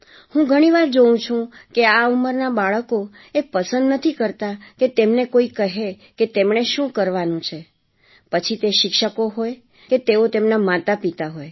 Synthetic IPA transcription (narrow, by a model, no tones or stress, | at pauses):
hũɡʱəɽ̃iʋaɾd͡ʒəũt͡ʃʰũkeauməɾnabaɭəko | epəsə̃nd̪nət̪ʰikəɾt̪aket̪emnekoikəɦe | ket̪emɳ̃eʃũkəɾʋanũt͡ʃʰe | pət͡ʃʰit̪eʃɪkʃəkoɦoj | ket̪eot̪emnamat̪apit̪aɦoj